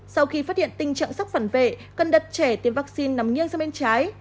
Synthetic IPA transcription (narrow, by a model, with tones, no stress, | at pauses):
sa˧wxi˧faː˦˥t̚hḭ˧˨ənt̪ï˧ŋ̟t͡ɕə̰˧˨ŋsa˦˥w̚k͡p̚fə˧˩nvḛ˧˨kə˨˩nɗə˨˩t̚t͡ɕɛ˧˩t̪i˨˦ənvaː˦˥k̚si˧nːa˨˦mɲi˧ənzsa˧mɓe˧nt͡ɕaː˨˦j